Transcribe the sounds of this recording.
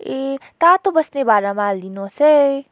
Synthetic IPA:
et̪at̪obʌsnebaɾamaːld̪inose

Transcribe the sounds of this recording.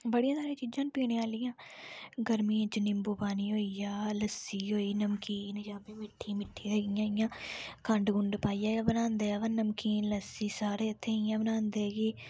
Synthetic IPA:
bəɽijãːsaːɾeːt͡ʃiːd͡ʒãːnpiːɽẽːaːlɪjãːɡəɾmĩːt͡ʃənɪmbuːpaːniːɦoːijaːləsːiːɦoːiːnəmkiːnd͡ʒaːbiːmɪʈʰːiːmɪʈʰːiːɾɛːɡɪjãːɪjãːkəɳɖɡʊɳɖpaːijaːjaːbənãːnd̪eːʋəːnəmkiːnləsiːsaːɾeːət̪ʰːẽːɪjãːbənãːnd̪eːɡiː

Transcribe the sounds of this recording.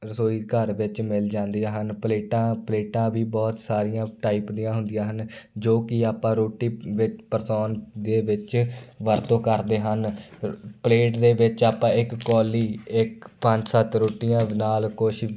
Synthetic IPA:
soːiːkəɾʋɪt͡ʃmɪld͡ʒãːnd̪ijãːɦənpleːʈãːpleːʈãːʋiːbɔːt̪saːɾɪjãːʈaːiːpd̪ijãːɦʊ̃nd̪ɪjãːɦənd͡ʒoːkɪaːpãːɾoːʈiːʋɪt͡ʃpəɾsɔːnd̪eːʋɪt͡ʃʋəɾt̪õːkəɾd̪eːɦən | pleːʈd̪eːʋɪt͡ʃaːpãːɪkːɔːliːɪkpə̃ɲd͡ʒsət̪ɾoːʈɪjãːnaːlkoːʃ

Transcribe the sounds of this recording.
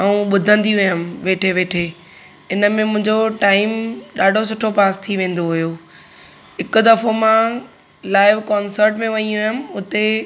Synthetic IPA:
ɐũɓʊd̪ʱə̃nd̪iʊjəmʋeːʈʰeʋeːʈʰe | ɪnəmẽmʊ̃ɪ̃ɲd͡ʑoʈaːɪmɗaːɖʱosʊʈʰopaːst̪ʰiʋẽːn̆d̪oɦʊjo | ɦɪkʊ̆d̪ɐfomã | laːɪʋkaːnsəɾʈmẽʋɐɲiũɦjəmɪ̆ʊt̪e

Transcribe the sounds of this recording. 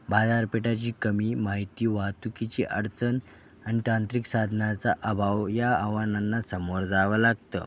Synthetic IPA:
bad͡zaɾpeʈat͡ɕiːkəmiːmaɦit̪iːʋat̪ukit͡ɕḭːʔəɾt͡sən | añit̪ãnt̪ɾiksad̪ʱnat͡saʔəbʱaʋjaːʋananːasəmoɾd͡zaʋəlaɡ̚t̪ə̰

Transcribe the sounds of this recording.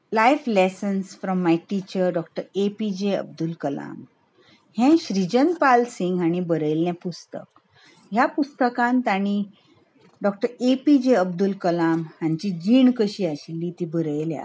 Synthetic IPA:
lajflesənsfɾɔmːajʈit͡ɕəɾɖɔkʈəɾepid͡ʑeə̰b̚d̪ulkəla̰m | hɛ̃ɕɾid͡ʑənpalsiŋɡaɽ̃ibəɾəjljãpust̪ə̰k | ɦjapust̪əkãnt̪aɽ̃i | ɖɔk̚ʈəɾepid͡ʑeəbd̪ulkəlamhãɲt͡ɕid͡ʑiːɳkəɕiːaɕilːiːt̪iːbəɾəjlja̰

